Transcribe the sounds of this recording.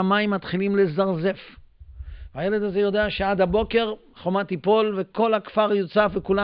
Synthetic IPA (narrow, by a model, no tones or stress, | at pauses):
maimːat̪χilimlezaʁze̞f | aje̞led̪azejo̞d̪eaʃead̪habo̞ke̞ʁ | χomat̪ipo̞lve̞ko̞lhakfaʁjot͡safekula